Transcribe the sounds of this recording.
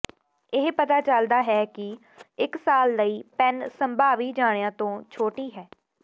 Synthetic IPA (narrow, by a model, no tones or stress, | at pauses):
ɪɦpət̪aːt͡ʃəld̪aːɦɛːkɪ | ɪksaːlːəiːpɛnsəmbaːʋiːd͡ʒaːɽejãːt̪õːt͡ʃʰoːʈiːɦɛː